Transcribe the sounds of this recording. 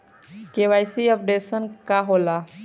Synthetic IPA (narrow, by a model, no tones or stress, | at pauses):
keʋajsiəp̚ɖesənkaɦola